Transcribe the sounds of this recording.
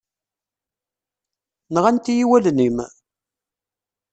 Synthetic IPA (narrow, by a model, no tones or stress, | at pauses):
nəʁænt̪ijiwælnim